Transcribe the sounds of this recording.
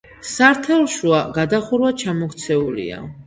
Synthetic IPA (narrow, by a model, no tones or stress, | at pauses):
saɾt̪ʰɛlˠʃuaɡad̪aχuɾwat͡ʃʰamɔkt̪sʰɛulḭa̰